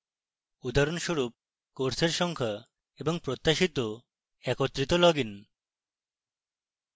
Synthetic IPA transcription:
ud̪aɾonʃoɾup̚ | koɾseɾʃɔŋkʰa | eboŋpɾot̪ːaʃit̪o | ɛkot̪ːɾit̪olɔɡin

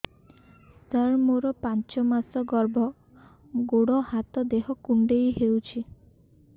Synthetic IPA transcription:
st̪əɾmoɾɔpant͡ʃɔmasɔɡɔɾbʱɔ | ɡoɽɔhat̪ɔd̪eɦɔkuɳɖejɦewt͡ʃʰi

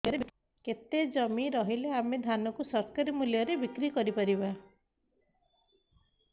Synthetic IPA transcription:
ɾe | ket̪ed͡ʒɔmiɾɔɦileamed̪ʱanɔkusɔɾkaɾimuljɔɾebikɾikɔɾipaɾiβa

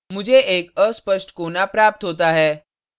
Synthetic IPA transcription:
m̤ud͡ʑʱeʔekəspəʂʈkonapɾap̚t̪ɦot̪aɦɛ

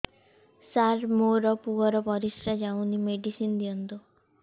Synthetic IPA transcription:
saɾmoɾɔpuɔɾɔbɔɾisɾad͡ʒawnimeɖisind̪iɔnt̪u

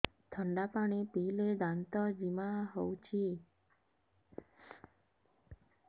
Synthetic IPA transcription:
t̪ʰəɳɖapaɽ̃ipiled̪ãnt̪ɔd͡ʒimãɦɔwt͡ʃʰi

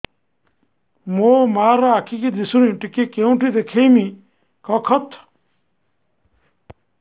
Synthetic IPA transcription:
momaɾɔakʰikid̪isuniʈikekeũʈʰid̪ekʰejmi | kɔkʰɔt̪ʰ

